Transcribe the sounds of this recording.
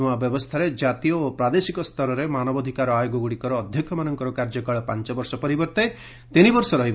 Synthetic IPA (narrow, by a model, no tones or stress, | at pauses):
uabjɔbɔst̪ʰaɾed͡ʒat̪ijɔːpɾad̪esikɔst̪ʰɔɾɔɾemanɔbɔd̪ʱikaɾɔajoɡɔɡuɽikɔɾɔːd̪ʱjɔkʰːjɔmanɔŋkɔɾɔkaɾd͡ʒɔkaɭɔpant͡ʃɔbɔɾsɔpɔɾibɔɾt̪e | t̪inibɔɾsɔɾɔɦib